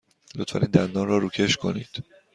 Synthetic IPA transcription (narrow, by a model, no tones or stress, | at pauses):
lot̪ʰfæ̰niːnd̪ænd̪ɒːnrɒːɾuːcʰe̞ʃkʰo̞̰nḭːd̪̥